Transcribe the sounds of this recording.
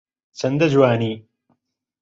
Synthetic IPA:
t͡sɐnd̪ɐd͡ʒuwaːniː

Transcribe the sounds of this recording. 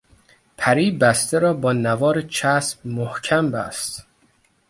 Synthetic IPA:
pʰæɾiːbæst̪eɾɒːbɒːnævɒːɾet͡ʃʰæsb̚mohcʰæmbæ̰st̪

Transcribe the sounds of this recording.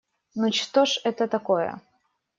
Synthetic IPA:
nut͡ɕt̪oʂɛt̪ət̪ɐkojə̰

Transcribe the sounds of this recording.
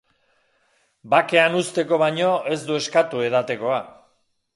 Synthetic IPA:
bake̞anust̪e̞ko̞βaɲo̞e̞zd̪ue̞skat̪ue̞ð̞at̪e̞ko̞a

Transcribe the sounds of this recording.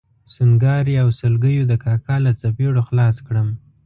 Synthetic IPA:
sunɡɑɾiawsəlɡəjod̪əkɑkɑlat͡sapeɽoxlɑskɽəm

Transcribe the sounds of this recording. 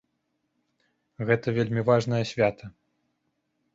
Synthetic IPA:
ɣɛt̪ɐvʲelʲmʲivaʐnɐjɐsʲvʲat̪ʰɐ

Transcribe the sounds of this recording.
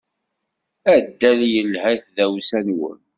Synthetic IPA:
æd̪ːæljəlːɦæθðæwsænwə̰n

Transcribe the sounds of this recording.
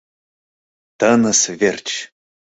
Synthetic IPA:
t̪ənəsvʲerʲt͡ɕ

